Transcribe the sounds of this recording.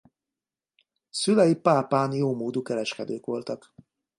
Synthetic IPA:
sylɛjipaːpaːnjoːmoːd̪ukɛɾɛʃkɛd̪øːkʋo̞lt̪ɒk

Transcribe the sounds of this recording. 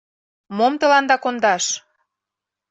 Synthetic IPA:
momt̪ɤ̆lɑnd̪ɑkond̪ɑʃ

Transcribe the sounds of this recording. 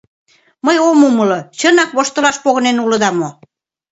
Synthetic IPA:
məjomumə̆lot͡ɕənɑkβoʃt̪ə̆lɑʃpoɣɤnenulɤ̆d̪ɑmo

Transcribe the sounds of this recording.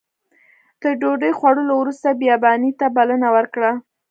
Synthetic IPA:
d̪̥əɾɖoɖəjxwaɽəlowɾust̪abjɑbɑnit̪abalənawəɾkɽa

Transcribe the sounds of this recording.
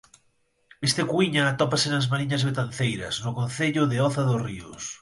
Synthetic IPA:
est̪ɪkwiɲɐːt̪ɔpasɪnɐzmaɾiɲɐzβet̪anθejɾɐ̰snʊkõnθeʎʊðɪɔθɐðʊsriʊ̰s

